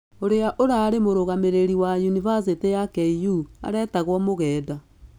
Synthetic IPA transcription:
oɾeaʔoɾaːɾemoɾoɣameɾeɾiwajunivas̬etejakɛijua̰ɾɛtaɣwɔmoɣɛːda

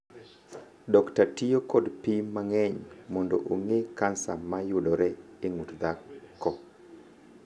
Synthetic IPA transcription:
dɔktatijokɔdpimaŋɛɲmɔndo̰ʔoŋekansa̰majʊdɔɾɛ | eŋutd̪akːɔ

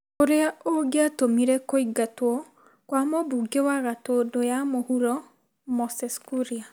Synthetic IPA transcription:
koɾeaoɡeatomiɾɛkoiɡatwɔ | kwamobuɡewaɣatodojamohuɾɔ | mɔsɛskuɾia

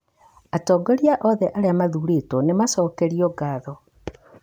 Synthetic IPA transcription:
atɔːɡɔɾjaʔɔðɛʔaɾeamaðuɾetonemasɔːkeɾiɔɡaːðɔ

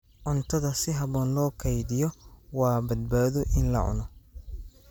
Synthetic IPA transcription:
ʕʊnt̪ʰɐðɐsɪɦɐβɔːnlɔːkʰɐjðɪjɔwɑːbɐd̪̚baːðɔʔɪnlɐ̰ʕʊ̰nɔ

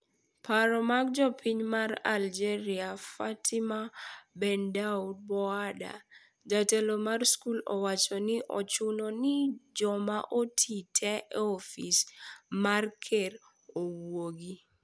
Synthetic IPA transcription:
pʰaɾɔmaɡ̚d͡ʒɔpʰiɲmara̰ld͡ʒeɾiafatʰɪmabɛndaud̚bɔada̰ | d͡ʒatelomarskulɔ̰wat͡ʃɔnɪʔɔt͡ʃʊnɔnɪd͡ʒɔmaʔotʰitʰɛɛɔfismarkʰeɾ | owoɡi

